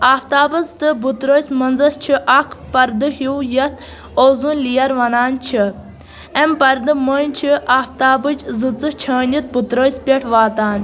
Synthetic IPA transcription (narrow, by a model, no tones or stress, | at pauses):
aːft̪aːbɐzt̪ɨbut̪ɾoːsʲmɐnzɐst͡ʃʰiʔɐkʰpɐɾd̪ɨɦiwjɐt̪̚ʰ | oːzunʲlijɐɾʋɐnaːnʲt͡ʃʰi | ɛmpɐɾd̪ɨməːnʲt͡ʃʰiaːft̪aːbɨd͡ʒzɨt͡sɨt͡ʃʰəːnʲit̪̚but̪ɾoːspʲɐʈʰʋaːt̪aːn